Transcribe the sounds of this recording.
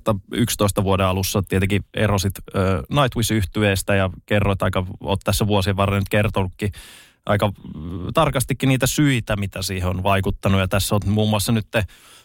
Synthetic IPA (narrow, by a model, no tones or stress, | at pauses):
t̪ːɑykst̪oist̪ɑʋuodeɑlusːɑt̪iet̪eŋkiḛrosit̪ːnɑit̪wisyht̪yeːst̪æjɑkerːot̪ɑikɑo̰ːt̪t̪æsːæʋuosieʋʋɑrːenyt̪kert̪onukːi | ʔɑ̰ikɑt̪ɑrkɑst̪ikːiniːt̪æsyit̪æmit̪æsiːheonʋɑikut̪ːɑnujɑt̪æsːomuːmːuɑsːɑnyt̪ːe